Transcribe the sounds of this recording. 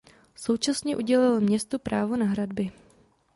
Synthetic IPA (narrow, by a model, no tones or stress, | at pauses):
so̞wt͡ʃasɲɛʔuɟɛlɪlmɲɛst̪upɾaːvonaɦɾadbɪ